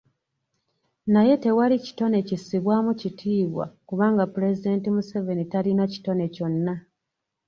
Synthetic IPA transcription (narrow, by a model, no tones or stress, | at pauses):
naje̞te̞walici̥to̞ne̞cisiβwaːmucitʰiːβwa̰kuβaːŋɡapuɾe̞zide̞ːntimuse̞ve̞nitalinaci̥to̞ne̞co̞nːa